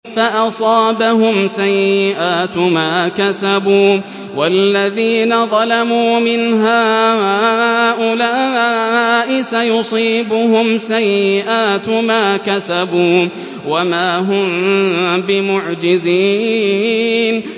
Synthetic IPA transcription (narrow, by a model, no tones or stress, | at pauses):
faʔɑsˤɑːbaɦʊmsajːɪʔaːt̪maːkasabuː | walːaðiːnaðˤɑlamuːmɪnɦaːaːʔʊlaː | ʔɪsajʊsˤiːbʊhʊmsajːɪʔaːt̪maːkasabuː | wamaːɦʊm | bɪmʊʕd͡ʒɪziː | n